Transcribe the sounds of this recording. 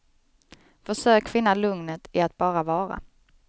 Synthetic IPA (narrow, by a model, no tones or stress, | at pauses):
fœʂøːkfɪnːalɵŋnət̪ɪat̪̚bɑːɾavɑːɾa̰